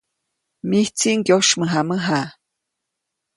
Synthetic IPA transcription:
miht͡siŋɡjoʃməɦaməɦa

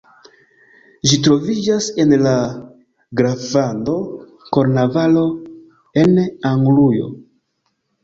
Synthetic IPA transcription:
ʒitɾo̞vid͡ʒase̞nla | ɡɾavando̞ | ko̞ɾnavalo̞ | e̞naŋɡlujo̞̰

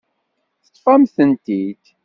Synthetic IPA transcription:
θət̪ːˤfæmθənt̪id̪

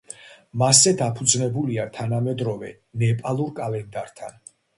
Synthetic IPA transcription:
masɛd̪apʰud̪znɛbuliat̪ʰanamɛd̪ɾɔvɛ | nɛpʼalˠuɾkʼalɛnd̪aɾt̪ʰa̰n

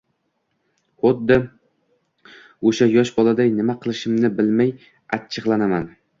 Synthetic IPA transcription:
χʊd̪ːɪ | oʃajɒʃbɒlˠad̪ajnɪmaqʰɨlˠɪʃɪmnɪbɪlmaj | at͡ʃʰːɨʁlˠanaman

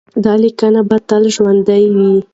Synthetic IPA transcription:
d̪ɑlikanabat̪alʒwand̪ajwi

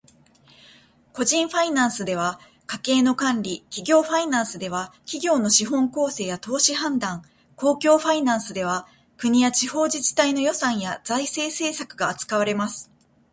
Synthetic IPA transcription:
ko̞ʑĩɰ̃ɸainãɰ̃sɨd̪e̞β̞a | kake̞ːno̞kãnɾʲikʲiɡʲo̞ːɸainãɰ̃sɨd̪e̞βakʲiɡʲo̞ːno̞ɕiɦõ̞ŋko̞ːse̞ːjat̪o̞ːɕihãnd̪ãŋ | ko̞ːkʲo̞ːɸainãɰ̃sɨd̪e̞β̞a | kɯ̟ɲ̟ijat͡ɕiho̞ːd͡ʑiʑi̥t̪aino̞jo̞sãɰ̃jad͡zaise̞ːse̞ːsakɯ̟ɡaːt͡sɨ̥kaβaɾe̞masɨ̥

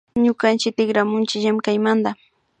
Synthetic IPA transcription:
ɲʊkant͡ʃɪt̪ɪɡɾamʊnt͡ʃɪʎamkajmand̪a

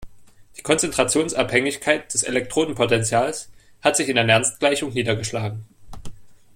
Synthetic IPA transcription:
d̥i̥ːkʰɔnt͡sɛntʁ̥at͡sjoːnsʔaphɛŋɪçkʰaɪt̚d̥ɛsɛ̰lɛk̚tʁ̥oːdn̩pʰotɛnt͡sjaːls | hatz̥ɪçɪnanɛɐnstɡ̥laɪçʊŋniːdɐɡəʃlaːɡŋ̩

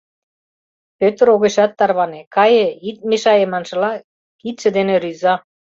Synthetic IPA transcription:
pøt̪ə̆ɾoɣeʃɑt̪ːɑrβɑnekɑjĕit̪̚meʃɑjemɑnʃɤ̆lɑ | kit̪̚ʃə̆d̪enĕɾyzɑ

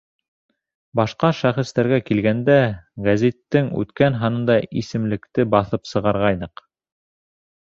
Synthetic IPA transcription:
bɑʃqɑʃæχɘ̆st̪æɾɡækilɡænd̪æɡæzit̪ːɘŋʉ̰t̪kænɦɑnɤ̆nd̪ɑisɘ̆mlɘ̆kt̪ɘbɑθɤpsɤ̆ʁɑɾʁɑjnɤq

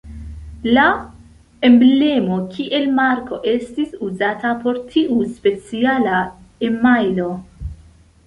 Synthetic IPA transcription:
la | e̞mble̞mo̞kʰiʔe̞lmaɾko̞ʔe̞stisuzatapo̞ɾtʰiʔuspe̞t͡sialae̞majlo̞

